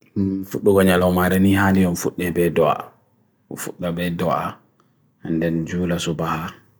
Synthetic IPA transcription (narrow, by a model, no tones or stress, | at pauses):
fuɗːuɡɔɲalɔmaɾɛnihandiɔnfuɗːɛbɛdɔa̰ | ɔ̰fuɗːabɛdɔa̰ | ndɛnd͡ʒuːlasɔbaha